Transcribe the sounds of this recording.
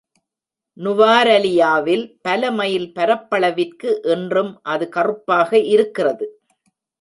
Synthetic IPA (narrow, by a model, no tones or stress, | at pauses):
nʊʋaːɾɐlɪjaːʋɪlpɐlɐmɐjɪlpɐɾɐpːɐɭɐʋɪrkɯʔɛndrɯmʔɐðɯkɐrɯpːaːɣɐʔɪɾɯkːɪrɐðɯ